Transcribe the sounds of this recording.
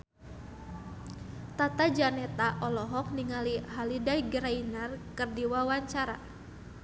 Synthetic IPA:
t̪at̪ad͡ʒanɛt̪aʔɔlɔɦɔk̚niŋaliɦalidajɡəɾainarkɨrdiwawaɲt͡ʃaɾa̰

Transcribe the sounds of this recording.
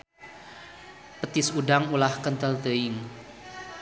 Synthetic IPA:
pət̪ɪsuɖaŋulahkənt̪əlt̪əɪŋ

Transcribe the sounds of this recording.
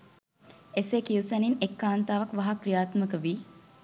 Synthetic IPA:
esekiusɐninekːaːnt̪aːʋɐkʋɐɦakrijaːt̪məkəʋiː

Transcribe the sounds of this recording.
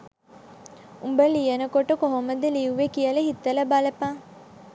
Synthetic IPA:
umbəlijenəkoʈəkoɦoməd̪eliuʋekijələɦit̪ːələbaləpaː

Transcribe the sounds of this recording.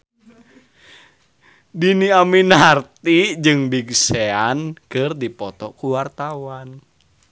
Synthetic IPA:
diniaminart̪id͡ʒɨŋbiɡseankɨrdipɔt̪ɔkuwart̪awan

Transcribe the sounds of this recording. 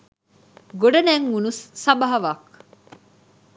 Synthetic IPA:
ɡoɖɐnæːŋːunusːɐbɐɦɐʋaːk

